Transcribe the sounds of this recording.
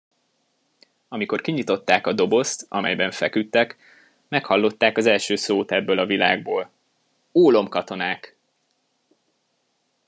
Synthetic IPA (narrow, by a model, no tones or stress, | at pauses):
ɒmiko̞rkiɲit̪o̞t̪ːaːkɒd̪o̞bo̞st̪ɒ̰mɛ̰jbɛɱfɛkyt̪ːɛk | mɛkhɒlːo̞t̪ːaːkɒzɛlʃøːsoːt̪ɛbːøːlɒvila̰ːɡ̚boːl | oːlo̞mkɒt̪o̞naːk